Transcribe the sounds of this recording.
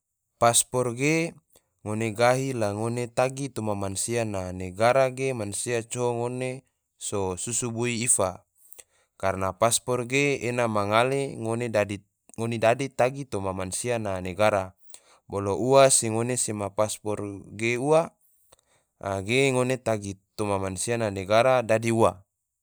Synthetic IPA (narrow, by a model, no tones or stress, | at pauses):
paspɔrɡe | ŋoneɡaɦilaŋonet̪aɡit̪omamansiananeɡaɾaɡemansiat͡ʃoŋone | sosusubuiːfa | karnapaspɔrɡeːnamaŋaleŋonedadi | ŋonedadit̪aɡit̪omamansiananeɡaɾa | boloʔuaseŋonesemapaspɔrɡeua | ɡeŋonet̪aɡit̪omamansiananeɡaɾadadiuwa